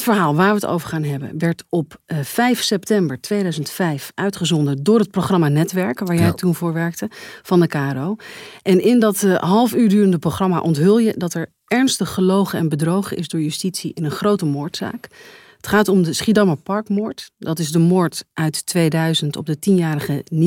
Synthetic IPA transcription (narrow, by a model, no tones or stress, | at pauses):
tfəɹɦaːlˠʋaːɹʋəəto̰wvəɹχaːnɦɛbə̰nʋɛɹtɔpfɛjfsɛptɛmbəɹtʋejdœɥzəntfɛjfʔœɥtχəzɔndədʊːɹɦət̚proχrɑmaːnɛtʋɛɹkʋaːɹjɛjtunvʊːɹʋɛɹk̚təv̥ɑndəkaːɛrowʔɛnʔɪndɑtɦɑlˠfyːɹdyːrəndəproχrɑma̰ʔɔntɦɵlˠjədɑtɛɹ | ɛɹnstəχəlowχəɛnbədrowχənʔɪ̰zdʊːɹjystitsiʔɪnənχrowtəmʊːɹtsa̰ːk | ətχaːtɔmdəsχidɑməpɑɹkmʊːɹtdɑtɪzdəmʊːɹtʔœɥtːʋejdœɥzəntɔ̰b̚dətinjaːɾəχən